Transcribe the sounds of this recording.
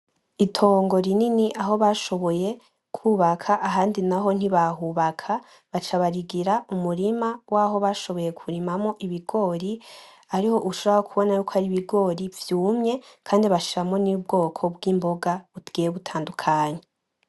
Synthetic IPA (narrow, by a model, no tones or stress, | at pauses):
itʰo̞ːŋɡo̞ɾininiʔaɦo̞βaʃo̞βo̞je̞ | kʰuːβakʰaʔaɦaːndinaɦo̞n̥iβaɦuβakʰa | βat͡ʃaβaɾiɡiɾaumuɾimawaːɦo̞βaʃo̞βo̞je̞kʰuɾimamŋo̞ʔiβiɡo̞ːɾi | aɾiho̞ʔuʃoβoɾaokʰuβo̞najuːkʰoaɾiβiɡo̞ɾivjuːmɲe̞kʰaːndiβaʃiɾamŋo̞nib̚ɡo̞ːkʰo̞bɡiːmbo̞ɡaβutɡ̥ijeβutʰaːndukʰaːɲe